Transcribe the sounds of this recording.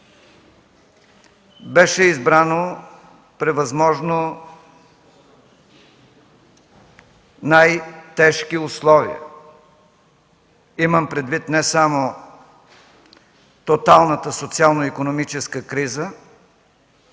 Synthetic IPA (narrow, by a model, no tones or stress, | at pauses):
bɛʃɛizbɾano | pɾɛvɐzmɔʒno | najt̪ɛʃkiʊslˠɔvḭə̰ | iməmpɾɛd̪vit̪nɛsamo | t̪ot̪alˠnət̪əsot̪sialˠnoikonomit͡ʃɛskəkɾizə